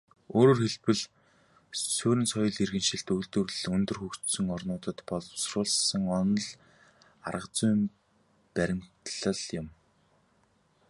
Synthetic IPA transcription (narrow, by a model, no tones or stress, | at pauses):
oːɾoːrxeɮpɘ̆ɮ | suːɾʲɘ̆nsɔjɞ̆ɮirɣɘ̆nʃɪ̆ɬt̪ɵjɮt̪ɵ̆rɮɵnt̪ɵ̆rxukt̪sɵ̆ŋɔrnʊːt̪ə̆t̪pɔɮsrʊːɮsə̆ŋɔnɞ̆ɮ | a̰rə̆qt͡sʊjm | pæɾʲɪ̆m̥t̪ɮə̆ɮjʊ̆m